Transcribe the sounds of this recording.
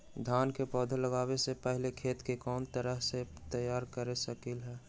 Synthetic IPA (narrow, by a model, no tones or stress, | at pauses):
d̪ʱaːnkepɔːd̪ʱələɡaːwesepɛɦlekʰeːt̪kekɔːnt̪əɾəɦset̪əjaːɾkəɾesəkɪlɦɛː